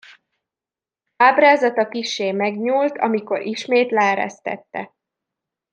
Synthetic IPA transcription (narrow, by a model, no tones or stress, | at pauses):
aːbraːzɒt̪ɒkiʃːeːmɛɡɲuːlt̪ɒ̰miko̞ɾʔiʃmeːt̪lɛɛɾɛ̰st̪ɛ̰t̪ːɛ̰